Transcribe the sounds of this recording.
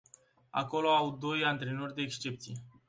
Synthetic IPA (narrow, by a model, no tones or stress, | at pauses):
a̰ko̞lo̞awd̪o̞jant̪ɾe̞no̞rʲd̪e̞ːkst͡ʃe̞p̚t̪sije̞